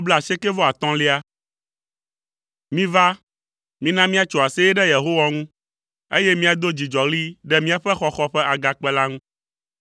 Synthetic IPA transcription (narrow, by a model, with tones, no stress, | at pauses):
o˦blɛ˦˨a˨sɛ˦kɛ˦vɔ˦a˨t̪ɔ̃˦le˦a˦ | mĩ˦va˦ | mĩ˦nã˦mĩ˦a˦t͡ʃo˨a˨sɛ˦ɛ˦ɖɛ˦je˨ɦo˦wa˦ŋũ˦ | ḛ˦jɛ˦mĩ˦a˨d̪o˦d͡ʑi˨d͡ʒɔ˨ɣli˦ɖɛ˦mĩ˦a˨ɸɛ˦xɔ˦xɔ˦ɸɛ˦ʔa˨ɡa˨k͡pɛ˦la˦ŋũ˦